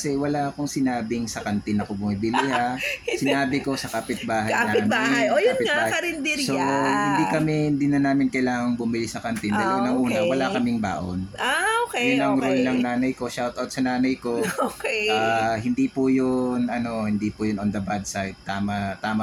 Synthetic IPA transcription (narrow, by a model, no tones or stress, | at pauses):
ɐsɛwɐlaʔkʊŋsɪnaːbɪŋsɐkɐnt̪ɪnɐkobʊmibɪlɪhasɪnaːbɪko̞sɐkaːpɪt̪̚baːɦɐjjnɐɪɐbajojɪtŋabaːhɐɾɪnd̪ɪɾsohɪnd̪ikɐmɛhɪnd̪iːnɐnaːmɪnkɐjlaːŋɐŋbʊmɪlɪsɐkɐnt̪ɪnɐlonɐŋʔuːnɐwɐlakɐmɪŋba̰ːʔo̰naokjʊnɐŋɾolnɐŋnaːnɐjko̞ʃawt̪ɐwt̪sɐnaːnɐjko̞okaːhɪnd̪ipʊjonɐno̞hɪnd̪iːpʊjʊnɔnd̪ɐbad̪sajd̪̚t̪ːaːmɐt̪aːmɐ